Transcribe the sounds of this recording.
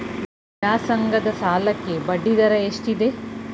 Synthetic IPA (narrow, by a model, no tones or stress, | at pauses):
aːsɐŋɡɐd̪ɐsaːlɐkːe̞bɐɖːid̪ɐɾɐeʂʈid̪e